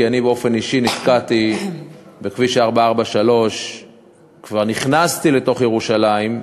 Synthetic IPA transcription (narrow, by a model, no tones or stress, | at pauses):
ianibeo̞fe̞niʃinifkati | bekviʃeaʁbaaʁbaʃalo̞ʃ | kvaʁniχnast̪ile̞to̞χjeʁuʃalaim